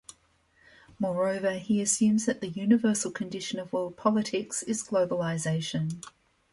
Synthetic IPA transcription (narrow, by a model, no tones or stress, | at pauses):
mɔːɹəʊvəiəsjʉ̃mzðəʔ̪̚ðəjʉːnɪvɜˑsəl̩ˠkʰə̃ndɪʃə̃nəvɔːl̚ˠpʰɒlˠətʰɪksɪzɡləʊbəlɪzeɪʃə̃n